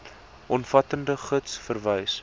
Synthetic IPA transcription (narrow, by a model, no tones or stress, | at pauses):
ʔɔnfɐtəndəχətsfərvəjs